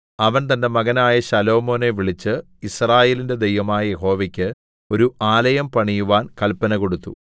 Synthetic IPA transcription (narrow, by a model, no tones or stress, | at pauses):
ɐʋɐnt̪̬ɐnːe̞mɐɣɐnaːjɐɕɐlo̞ːmo̞ːne̞ʋiɭit͡ɕːɨ | israːje̞ːlinde̞d̪ejʋɐmaːjɐje̞ɦo̞ːʋɐkʲːɨ | o̞ɾuʔaːlɐjɐmpɐɳijuʋaːnkɐlpɐnɐko̞ɽut̪ːṵ